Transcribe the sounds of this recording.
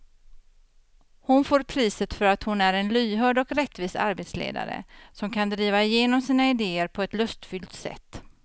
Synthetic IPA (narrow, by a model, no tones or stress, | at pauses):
hʊnfoːɾpʰɾiːsət̪fœɾat̪hʊnæɾɛnlyːɦœːɖɔkɾɛt̪ːviːsa̰ɾbeːt̪slḛːd̪a̰ɾə̰sɔmkʰand̪ɾiːvaɪjeːnɔmsiːnaɪd̪eːəɾpʰɔɛt̪lɵst̪fʏlt̪sɛ̰t̪ː